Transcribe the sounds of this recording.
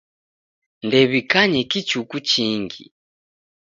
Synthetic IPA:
ndɛβikaɲɛkit͡ʃukut͡ʃiŋɡḭ

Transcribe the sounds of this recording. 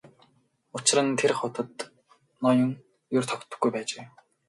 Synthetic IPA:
ʊt͡ɕɪ̆rə̆nt̪ʰerχʊt̪ə̆t̪ | nɔjʊ̆ŋ | jʊrt̪ʰɔkt̪ə̆ɡujpæːt͡ɕeː

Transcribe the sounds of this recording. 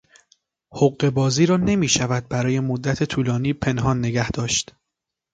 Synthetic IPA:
hoɢːe̞bɒːziːɾɒːne̞miːʃævæd̪̚bæɾɒːje̞mod̪ːæt̪ʰet̪ʰuːlɒːniːpʰe̞nɦɒːnːe̞ɡæhd̪̥ɒːʃt̪

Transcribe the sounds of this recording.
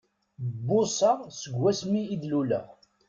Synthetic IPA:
bːʊsɑʁsəɡːæsmiːd̪lulæ̰

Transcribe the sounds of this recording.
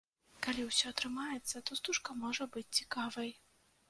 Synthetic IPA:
kalʲiwsʲɔɐt̪ɾɨmajɛt̪sːɐt̪ɔst̪uʂkɐmɔʐɐbɨt͡sʲt͡sʲikavɐj

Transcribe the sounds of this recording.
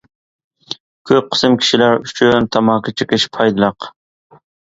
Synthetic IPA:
kʲʰøp̚qʰɨ̥sɨmkʲʰi̥ʃilæɾyt͡ʃʰynt̪ʰɑmɑːkʲʰɑt͡ʃʰɨqɪʃpʰɑjd̪ɨlˠɑq

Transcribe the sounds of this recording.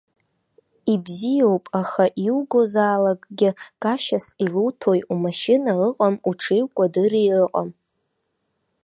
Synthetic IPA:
ibzijo̞wpʼaχaʔiwɡo̞zaːlakʼɡʲɪɡ̥ʼaʃasilutʰojumaʃɪnaɨqʼamuʈ͡ʂʰejwkʷʼadɨɾiɨqʼam

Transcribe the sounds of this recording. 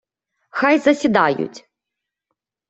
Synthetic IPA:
xajzɐsʲid̪ajʊ̰tʲ

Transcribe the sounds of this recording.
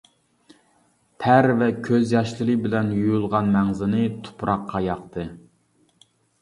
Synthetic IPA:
t̪ʰæɾvɛkʲʰøzjɑʃlɨlˠɨbɪlɛnjujulˠʁɑnmɛŋzɪnɨt̪ʰu̥pɾɑqːɑjɑqt̪ʰɨ

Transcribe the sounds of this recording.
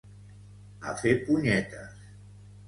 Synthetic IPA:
a̰fepuɲɛt̪a̰s

